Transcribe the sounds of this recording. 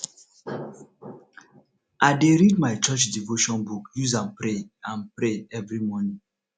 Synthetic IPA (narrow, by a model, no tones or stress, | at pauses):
aɪdeɾid̚maɪt͡ʃɔt͡ʃdivoʃɔ̃nbukjuzãnpɾeãnpɾeɛvɾimɔnĩŋ